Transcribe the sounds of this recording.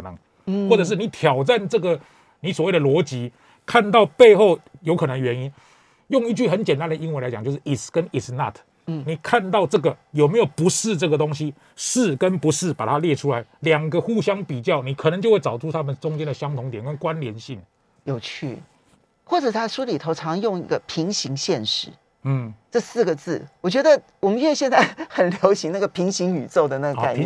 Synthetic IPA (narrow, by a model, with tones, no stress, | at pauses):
nə˩˦ŋ | xwɔ˥˩ʈ͡ʂɤ˨˩ʂ̬ɻ̩˥˩ni˨˦t̪ʰjɑ˨˩ʊʈ͡ʂa˥˨nʈ͡ʂɤ˥˩ɡə˨ | ni˨˥swwe˥˩d̪ə˨lwɔ˧˥t͡ɕi˧˥ | kʰa˥˧nt̪ɑ˥˧ʊpe˥˧ɪxo˥˩ʊjo˧˥kʰɤ˨˩nə˧˦ŋɥɛ˧˦ni˦˥n | jʊ˥˧ŋi˥˧t͡ɕy˥˩xə˧˦nt͡ɕjɛ˨˩nt̪a˥˦nd̪ə˨˩i˦˥nwə˧nla˧˥t͡ɕŋt͡ɕjʊʂɻ̩˥˨i˨˩skə˦ni˨sna̰˥˩t̪ʰ | ni˨˩kʰa˥˧nt̪ɑ˥˧ʊʈ͡ʂɤ˥˩ɡə˩jo˨˩me˧˥ɪjo˨˩ʊpu˧˥ʂɻ̩˥˧ʈ͡ʂɤ˥˩ɡə˩t̪o˥ŋɕi˦ | ʂɻ̩˥˩kə˦npu˧˥ʂɻ̩˥˩pa̰˨˩t̪ʰa˦ljɛ˥˧ʈ͡ʂʰu˥˦la˧˦ɪljɑ˨˩ŋɡə˧˦xu˥˩ɕjɑ˥ŋpi˨˩t͡ɕjɑ˥˩ʊni˨˩kʰnə˧˦ŋt͡ɕjo˥˧we˥˩t͡sɑ˨˩ʊʈ͡ʂʰu˥˩t̪ʰa˥mə˨nʈ͡ʂʊ˥ŋt͡ɕjɛ˥nd̪ə˨˩ɕjɑ˥ŋt̪ʰʊ˧˥ŋt̪̬jɛ˨˩nkə˦nkwa˦nljɛ˧˦nɕi˥˩ŋ | jo˨˩ʊt͡ɕʰy̰˥˩ | xwɔ˥˩ʈ͡ʂə˨˩t̪ʰa˥ʂu˥li˨˩t̪ʰo˧˥ʊʈ͡ʂʰɑ˧˥ŋjo˥˧ŋḭ˥˩ɡə˨pʰi˧˥ŋɕi˧˥ŋɕjɛ˥˧nʂɻ̩˥˩ | n̩˥˩ʈ͡ʂɤ˥˧sɹ̩˥˩ɡə˩t͡sɹ̩˥˩wɔ˨˩t͡ɕɥɛ˧˥d̪ə˧˨ | wɔ˨˩mə˦nɥɛ˥˧ɕjɛ˥˧nt͡sa˥˩ɪxə˨˩nljo˧˥ʊɕi˧˥ŋna˥˩ɡə˩pʰi˧˥ŋɕi˧˥ŋy˨˩t͡so˥˩ʊd̪ə˩na˥˩ɡə˧ka̰˨˩